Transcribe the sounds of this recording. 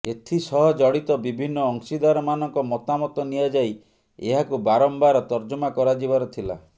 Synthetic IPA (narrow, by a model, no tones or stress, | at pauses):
et̪ʰisɔɦɔd͡ʒɔɽit̪ɔbibʱinːɔːŋsid̪aɾɔmanɔŋkɔmɔt̪amɔt̪ɔniad͡ʒaj | eɦakubaɾɔmbaɾɔt̪ɔɾd͡ʒɔmakɔɾad͡ʒibaɾɔt̪ʰila̰